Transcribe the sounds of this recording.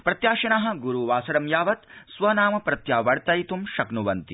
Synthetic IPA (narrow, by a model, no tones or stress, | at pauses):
pɾɐt̪jaːʃɐɳaɦɐ̆ɡuɾuʋaːsɐɽɐmjaːʋɐt̪sʋɐnaːmɐpɾɐt̪jaːʋɐɽt̪ɐjt̪umʃɐknuʋɐnt̪i